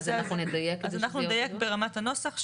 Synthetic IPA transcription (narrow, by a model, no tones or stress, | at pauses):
zanaχnuned̪ajekzanaχχnundajekbeʁamatano̞saχʃ